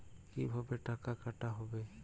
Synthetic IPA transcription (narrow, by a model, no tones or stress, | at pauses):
kibʱabɛʈakakaʈaɦɔbɛ